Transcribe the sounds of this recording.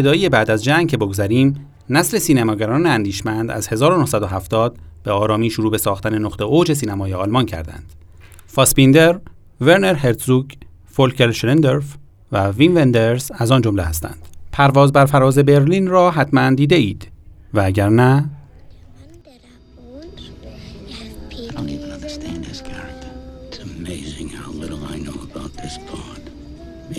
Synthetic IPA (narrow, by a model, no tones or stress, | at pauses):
ed̪ɒːjijebæːd̪æzd͡ʒæŋɡcʰe̞boɡozæɾiːm | næsle̞siːnæmɒːɡæɾɒːneænd̪iːʃmænd̪æ̰z̥he̞zɒːɾonohsæd̪oɦæft̪ɒːd̪̥̚b̥e̞ɒːɾɒːmiːʃoɾuːbe̞sɒːxt̪æne̞noχt̪e̞od͡ʒe̞s̬iːnæmɒːjeɒːlmɒncʰæ̰ɾd̪æ̰nd̪̥ | fɒspind̪e̞ɾ | ve̞ɾneɾheɾd̪zuːɟ | folcʰelʃlend̪eɾf | vævinvend̪eɾzæzɒːnd͡ʒomlehæst̪æ̰nd̪̥pʰæɾvɒːzbæɾfæɾɒːze̞be̞ɾliːnrɒːɦæt̪ʰmænd̪iːd̪eiːd̪̥vææɟæɾnæ | aɪɾõʊnivə̃nʌ̰̃ndə˞stʰæ̃ndhɪz̥kʰɑɹk̚t̪ʰəɪtsəmeɪzɪ̃ŋhaʊlɪɾl̩ˠa̰ɪnoʊəbaʊt̪̚ðɪsb̥ɑd̥